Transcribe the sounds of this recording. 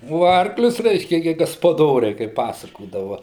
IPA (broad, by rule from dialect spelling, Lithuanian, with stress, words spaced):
oː ˈɐrklʲʊs ˈrʲɛɪʃʲkʲɛ ɡʲɪ ɡɐspɐˈdoːrʲɛɪ kɐɪp ˈpɑːsɐkoːdɐʋɐ